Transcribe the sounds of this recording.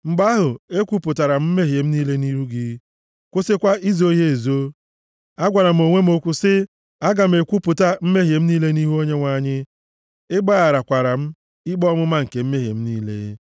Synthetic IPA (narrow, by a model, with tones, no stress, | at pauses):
ŋ͡m̩˨ɡ͡ba˦ɦʊ˨e˦kʷu˦pʊ˨ta˨ɾa˨m̩˦m̩˦me˦ɦje˨m̩˦niː˦le˦ni˦ɾu˦ɡi˦ | kʷʊ˦sɪ˦kʷa˦i˦zo˦ɦe˦e˨zo˦ | a˦ɡʷa˨ɾa˨m̩˨o˨ŋʷe˦m̩˦o˦kʷʊ˦sɪ˦ | a˦ɡa˨m̩˨e˨kʷu˦pʊ˨ta˦m̩˦me˦ɦje˨m̩˦niː˦le˦ni˦ɦu˦o˦ɲe˦ŋʷa˦ɲɪ˦ | ɪ˦ɡ͡ba˦a˨ɾa˨kʷa˨ɾa˨m̩˦ | i˦ɡ͡bɔ˦mʊ˦ma˦ŋ̩˨ke˨m̩˦me˦ɦjḛ˨m̩˦niː˦lḛ˦